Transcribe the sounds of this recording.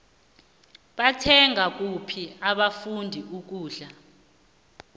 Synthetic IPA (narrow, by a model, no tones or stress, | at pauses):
ɓatʰɛŋak̬ʼupʰiaɓafundʱiuk̬uːɮa